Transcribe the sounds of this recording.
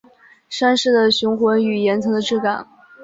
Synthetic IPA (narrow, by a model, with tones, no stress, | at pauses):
ʂa˥nʂɻ̩˥˩d̪ə˩ɕʊ˧˥ŋxwə˧˥ny˨˩jɛ˧˥nt͡sʰɤ˧˥ŋd̪ə˧ʈ͡ʂɻ̩˥˩ka˨˩˦n